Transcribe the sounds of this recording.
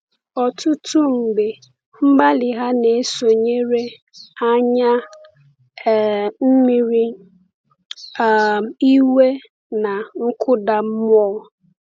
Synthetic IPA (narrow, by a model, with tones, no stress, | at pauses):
ɔ˨tʊ˦tʊ˦ŋ͡m̩˨ɡ͡be˨ | m̩˦ɡ͡ba˦lɪ˨ɦa˦ne˨˦so˨ɲe˦ɾe˦ | a˦ɲa˦˨ | m̩˦mi˨ɾi˦˨ | i˦we˦ | na˨ŋ̩˦kʰʊ˦da˨m̩˦m˦ɔː˦˨